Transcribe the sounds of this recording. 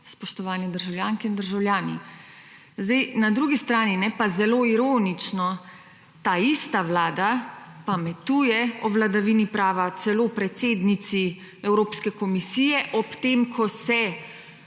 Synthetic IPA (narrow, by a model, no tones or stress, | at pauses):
spɔʃt̪ɔʋaːnɛd̪əɾʒawljaːŋkɛind̪əɾʒawljaːnḭ | zd̪ajnad̪ɾuːɡist̪ɾaːninɛpazɛloːiɾoːnit͡ʃnɔ | t̪aːist̪aʋlaːd̪apamɛt̪uːjɛɔʋlad̪aʋinipɾaːʋat̪sɛloːpɾɛt̪seːd̪nit̪si | ɛwɾoːpskɛkɔmisijɛʔɔpt̪eːmkʰɔsɛ